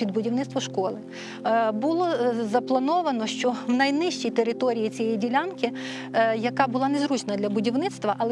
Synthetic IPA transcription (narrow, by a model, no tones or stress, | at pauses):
id̪̚bʊdʲiwnɪt̪st̪ʋɔʃkɔlˠɪ | bulˠɔzɐplˠɐnɔʋɐnɔʃt͡ʃɔwnɐjnɪʃt͡ʃijt̪eɾɪt̪ɔɾʲijit͡sʲijɛjidʲilʲankɪ | jɐkɑbʊlˠɑnezɾut͡ʃnɐd̪ʲlʲɐbʊdʲiwnɪt̪st̪ʋɐʔɐlˠɛ